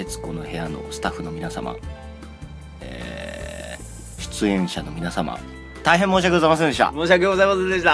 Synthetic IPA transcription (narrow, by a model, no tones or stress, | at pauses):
et͡sɨ̥ko̞no̞he̞jano̞̰sɨ̥t̪aɸɯ̟no̞minasa̰ma̰ | ḛː | ɕɨ̥t͡sɨẽ̞ɰ̃ɕano̞mʲinasama̰ | t̪aiɦemːoːɕ̬iakeozaimas̬ẽnd̪eɕ̬t̪a̰moːɕ̬iakeɡozaimasẽnd̪e̞ɕ̬t̪a